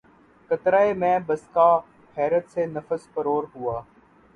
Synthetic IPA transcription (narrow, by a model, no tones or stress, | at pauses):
kət̪ɾaːemɛ̃ːbəskaː | pʰɛːɾət̪senəfəspəɾoːɾɦʊaː